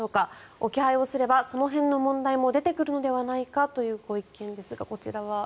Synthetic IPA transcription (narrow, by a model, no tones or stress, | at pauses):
oːkao̞kʲihaio̞sɨɾe̞baso̞no̞ɦẽ̞nːo̞mõ̞nd̪aimo̞d̪e̞t̪e̞kɯ̟ɾɯ̟no̞d̪e̞βanaikat̪o̞jɯ̟ːɡo̞ikẽ̞nd̪e̞sɨɡako̞t͡ɕiɾaβa